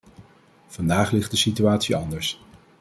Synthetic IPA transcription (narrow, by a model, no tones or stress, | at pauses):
v̥ɑndaːχlɪχt̚dəsityaːtsiɑndəɹs